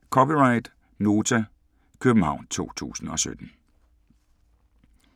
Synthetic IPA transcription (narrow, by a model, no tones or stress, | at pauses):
kʰɒpiʁɑ̈ɪd̥ | no̝ːt͡sʰæ | kʰøb̥n̩hɑ̈ʊ̰nt͡sʰo̝̰ːt͡sʰṵːsn̩ɒ̽sø̰d̥n̩